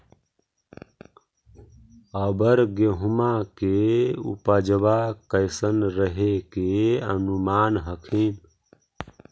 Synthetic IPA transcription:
əbəɾɡeɦumakeṵpəd͡ʒʋakəɪsənɾəɦekeə̰numanɦəkʰin

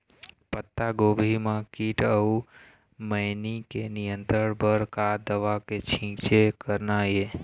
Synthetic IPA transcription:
pət̪ːaɡobʱimãkiʈəu | məjnikenijənt̪ɾəɽpəɾkad̪əʋaket͡ʃʰĩt͡ʃekəɾnaje

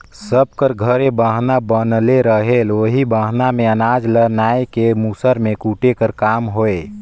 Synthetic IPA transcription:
səb̚kəɾɡʱəɾebəɦnabənleɾəɦeloɦibəɦnameənad͡ʒlənaekemusəɾmekuʈekəɾkamɦoe

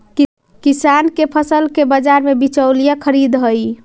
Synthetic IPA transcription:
kisankepʰəsəlkebəd͡ʒaɾmebit͡ʃəwlijakʰəɾid̪ɦəj

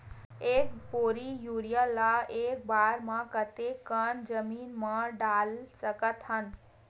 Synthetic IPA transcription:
eːkpoːɾijuɾijalaeːk̚baːɾmãkət̪ekːənd͡ʒəmiːnmãɖaːlsəkət̪ɦən

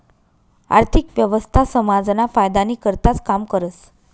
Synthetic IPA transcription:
a̰ɾt̪ʰikʋjəʋəst̪ʰasəmad͡znafajd̪aniːkəɾt̪at͡skamkəɾət͡s

